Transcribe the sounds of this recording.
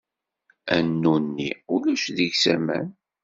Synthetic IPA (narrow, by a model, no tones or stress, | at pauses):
ænːunːiʊlæʃðəʝsæmæ̰n